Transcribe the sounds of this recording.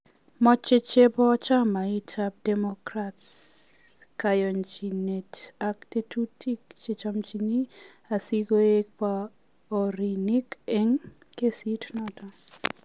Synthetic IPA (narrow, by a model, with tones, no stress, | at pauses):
mɔ˦t͡ʃe˦t͡ʃe˦bɔ˦t͡ʃa˦ma˨i˦tʰap̚dɛ˨mokɾats | ka˨jɔ˨nd͡ʒi˨ne˨takte˦tʰu˦ti˦kt͡ʃe˦t͡ʃa˦mt͡ʃi˨ni˦ | a˨si˦ɡo˦e˦k̚pa | o˨ɾi˨ni˦ke˦ŋ | ke˦si˦tnɔ˦tɔ˨